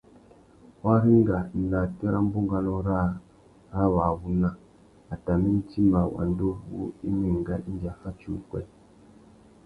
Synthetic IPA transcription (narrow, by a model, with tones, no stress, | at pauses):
wa˦ɾi˦ŋ˦ɡa˨n̩˨na˨tɛ˦ɾa˦m̩˦bu˦ŋɡa˦no˦ɾa˦˨ | ɾa˦βa˨βu˦na˦ | a˨ta˨mi˦n̩˦ti˦mba˨wa̰˨ndo˦bṵ˦i˦me˨ŋ˨ɡa˦i˦n˦d͡ʒa˨fa˦t͡ʃu˨kwɛ̰˦˨